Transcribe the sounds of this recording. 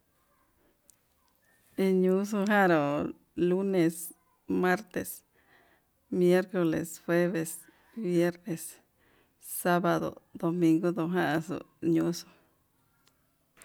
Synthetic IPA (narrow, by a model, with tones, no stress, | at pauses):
i˧ɲu˦s̬u˧ɦa˦ɾo˨ | lu˦ne˨s | ma˦ɾt̪e˨s | mje˦ɾko˧lḛ˨sxwe˦βe˨s | bje˦ɾne˨sː | a˦ba˧d̪o̰˨d̪̥o˧mi˧ŋɡo˦d̪o˧ɦã˦sṵ˨ʔɲu˧so̥˧